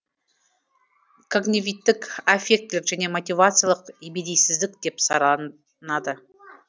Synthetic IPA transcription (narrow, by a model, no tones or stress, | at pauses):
kʰoɡnʲivʲit̪ːɪkefʲe̞k̚t̪lɪkʒæne̞mot̪ʲijvat̪sɨjalˠəqebed̪ejsɪzd̪ɪkd̪̥e̞psɑɾˠ | nɑd̪ə